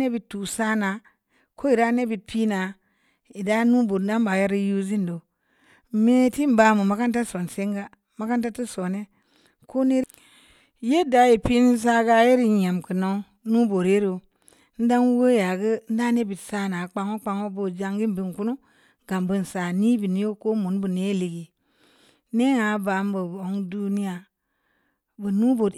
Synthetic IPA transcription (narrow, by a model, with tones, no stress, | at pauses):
ne˦bi˨tːu˨sa˦na˨˦ | kʰo˦i˨ɾa˦ne˦bi˨t̚pi˦na˨ | i˨da˦nu˦bo˨ɾn̩˦da˦m˦ba˨ja˦ɾi˦ju˦zi˦n˨do˨˦ | me˦ti˦m˦ba˨mu˨ma˨˦ka˦n˦ta˦so˨nse˦ŋɡa˦ | ma˨˦ka˦nta˦ti˦so˨ne˦ | ko˦ne˦ | je˦da˨ji˨pi˦ni˦s̬a˦ɡa˦je˦ɾi˦ja˨mkɨ˨no˨˦ | nu˦bo˨ɾe˦ɾo˨ | n̩˦da˦n˦wo˦ja˨ɡə˦n̩˦da˦ne˦bi˨tsa˦˨na˨˦k͡pa˨˦ŋo˦k͡pa˨ŋo˦bo˨d͡ʒa˨ŋɡi˦m˨bi˦˨ŋ˨ku˦nu˦ | ɡa˨mbu˦n˨sa˨ni˦bi˨ni˦jo˦ko˦mu˨nbu˨ne˦li˨ɡi˨ | ne˦ŋa˨˦ba˨˦m˦bo˨bo˨˦ŋdu˦ni˦ja˨ | bə˨nu˦bo˨d